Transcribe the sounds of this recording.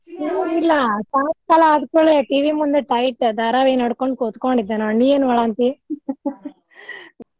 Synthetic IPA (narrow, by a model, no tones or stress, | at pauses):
oilːɐsaːt̪kaːlɐːðɯkːuɭeʈiːʋimund̪ɐʈɐjʈd̪ɐɾaːʋeːnɐɽɯkːoɳɖɯkot̪ːu̥kːoːɳɖid̪ːɐnɐnːijeːnʋɐɭaːnt̪i